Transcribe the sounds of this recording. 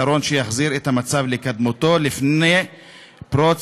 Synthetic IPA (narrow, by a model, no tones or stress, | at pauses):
aɾo̞nʃejaχziɾethamat͡savlekad̪mot̪o̞lifnej | pɾot͡s